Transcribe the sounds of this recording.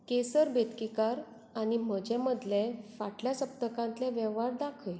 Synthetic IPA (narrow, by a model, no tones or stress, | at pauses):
kesəɾbet̪kikaɾ | aɽ̃im̤əd͡ʑɛ̃məd̪lefaʈljasəp̚t̪əkãnt̪lɛ̃ʋjɛʋɦaɾd̪akʰəj